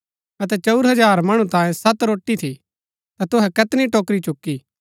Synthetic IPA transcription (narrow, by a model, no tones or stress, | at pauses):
ɐt̪̬ɛt͡ʃɐʊɾɦɐd͡ʒaːɾmɐɽ̃ũt̪ãːjẽsɐt̪ɾoːʈːit̪ʰi | t̪at̪ʊɦɛkɐt̪niʈoːkɾit͡ʃʊkːiː